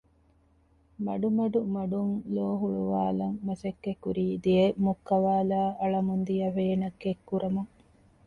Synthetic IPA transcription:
mɐɖumɐɖumɐɖuŋloːɦuɭuʋaːlɐŋmɐsekːekːuɾiːd̪iemukːɐʋaːlaːʔɐɭɐmund̪ijɐɦeːnɐkːekːuɾɐmɐ

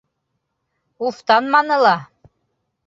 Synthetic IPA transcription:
uft̪ɑnmɑnɤ̆lɑ

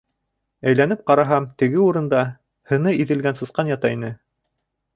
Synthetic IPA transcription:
æjlæn̪ɘp̚qɑɾɑɦɑmt̪ɘ̆ɡɘuɾɤ̆nd̪ɑ | hɤ̆nɤiðɘ̆lɡænsɤ̆sqɑnjɑt̪ɑinɘ

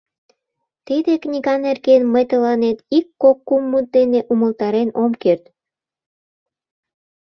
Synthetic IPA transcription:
t̪id̪eknʲiɣɑnerɣenməjt̪əlɑnet̪ikːokːumːut̪̚d̪eneʔuməlt̪ɑɾenomkert̪

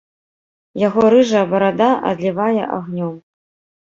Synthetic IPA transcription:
jaɣɔɾɨʐɐbɐɾad̪aʔɐ̰d̪lʲivajɛ̰ʔa̰ɣnʲɔm

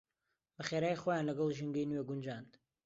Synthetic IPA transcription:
bəχeɾaːjxojaːnlɐɡɐlˠʒɨŋɡəjnweɡund͡ʒand̪

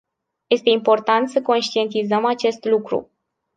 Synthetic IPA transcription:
je̞st̪e̞impo̞rt̪ant̪səko̞nʃt̪ie̞nt̪izəmat͡ʃe̞st̪lukɾṵ

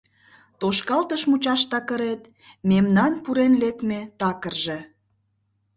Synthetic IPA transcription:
t̪oʃkɑlt̪əʃmut͡ɕɑʃt̪ɑkəɾet̪ | memnɑnpuɾenlek̚met̪ɑkərʒe̽

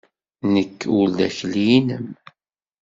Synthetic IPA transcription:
nəkːulðæ̰çliinəm

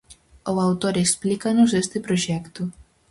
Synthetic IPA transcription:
owawt̪oɾesplikanʊzest̪ɪpɾoʒɛkt̪ʊ

